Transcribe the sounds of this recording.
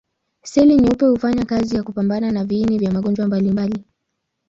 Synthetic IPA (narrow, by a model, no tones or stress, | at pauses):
sɛliɲupɛhufaɲakazijakupambananaviːnivjamaɠɔnd͡ʒwambalimbali